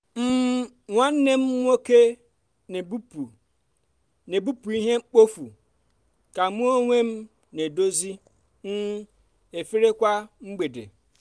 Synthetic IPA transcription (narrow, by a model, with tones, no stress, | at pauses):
m̩˦ | ŋʷa˦n̩˦ne˦m̩˦ŋʷ˦o˦ke˦˨ | bu˦u˨ | ne˨bu˦pu˨i˦ɦe˦ŋ͡m̩˦k͡po˦fu˨ | ka˨mu˦o˦ŋʷe˦m̩˦ | ne˨do˦zi˦ | m̩˦ | e˨fi˦ɾe˦kʷa˦ŋ͡m̩˦ɡ͡be˨dḛ˨